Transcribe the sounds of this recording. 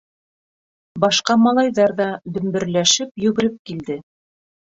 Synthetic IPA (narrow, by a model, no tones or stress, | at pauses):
bɑʃqɑmɑlˠɑjðɑɾðɑd̪ɵ̆mbɘ̆ɾlæʃɘpjɵ̆ɡɘ̆ɾɘp̚kild̪ɘ